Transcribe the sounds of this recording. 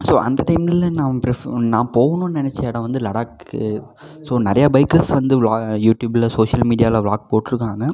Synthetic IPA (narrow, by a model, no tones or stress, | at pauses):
soːʔɐ̰nd̪ɐʈɐɪmɪlːɐnãːpɾɪnãːpoːʋɐnõnɪnɛt͡ʃːɐːɽɐ̃ʋɐnd̪ɯlɐɽaːkːɯ̰ | soːnɐɾɐjɐbɐɪkːɐlsʋɐnd̪ɯʋlaːjuːʈjuːbɪlɐsoːʂjɐlmiːɽɪjaːlɐʋɭaːk̚poːʈːɾɯkːaːŋɡɐ